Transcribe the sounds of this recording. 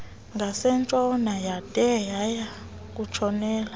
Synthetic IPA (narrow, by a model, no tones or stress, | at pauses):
ŋɡʱasɛnt͡ʃʼɔnajatʼɛjaja | k̬ʼut͡ʃʰɔnɛːla